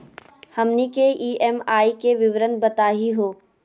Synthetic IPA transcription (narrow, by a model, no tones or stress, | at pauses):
hɐmnikeʔiːɛmaːikeʋɪʋɾənbɐt̪aːɦiɦoː